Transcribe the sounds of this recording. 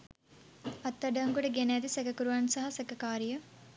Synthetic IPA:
ɐt̪ːɐɖɐŋɡuɽɐɡenaːd̪isɐkɐkuɾuʋaːnsɐɦɐsɐkɐkaːɾjɐ

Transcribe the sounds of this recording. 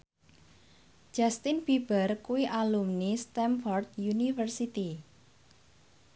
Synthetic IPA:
d͡ʒ̥ast̪inb̥ib̥ərkuwiʔalumnist̪ɛmfɔrd̪̚junifərsit̪i

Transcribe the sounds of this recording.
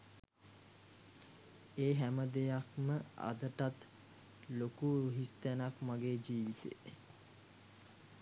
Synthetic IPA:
eːɦæməd̪ejakməa̰d̪əʈat̪ | lokuɦist̪ænakmaɡeːd͡ʒiːʋit̪ḛː

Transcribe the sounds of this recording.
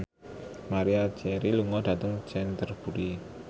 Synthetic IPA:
maɾiḁd͡ʒɛɾiluŋɔɖä̤t̪əŋd͡ʒɛnt̪ərb̥ṳɾi

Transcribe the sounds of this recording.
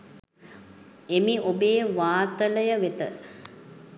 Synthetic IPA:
emiʔobeːʋaːt̪ələjəʋet̪ə

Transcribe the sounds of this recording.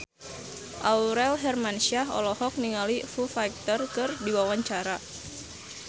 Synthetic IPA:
ʔauɾɛlɦɛrmanʃiaɦɔ̰lɔhɔk̚niŋalifufajk̚t̪ərkɨrdiwawaɲt͡ʃaɾa

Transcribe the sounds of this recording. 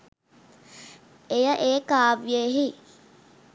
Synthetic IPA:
ejɐʔeːkaːbjeɦi

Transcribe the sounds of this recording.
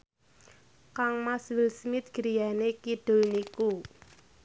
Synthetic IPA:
kaŋmaswɪlsmɪt̪̚ɡ̥əɾijanekiɖ̥ʊ̤lniku

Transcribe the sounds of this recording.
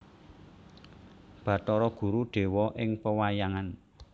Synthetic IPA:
b̥ä̤t̪ɔɾɔɡ̥ṳɾuɖ̪̥e̤wɔʔɪŋpəwajaŋan

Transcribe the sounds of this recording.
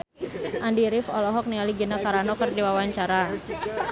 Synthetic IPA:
ʔandiɾɪfɔlɔɦɔk̚nialiɡənakaɾanɔkərdiwawaɲt͡ʃaɾa

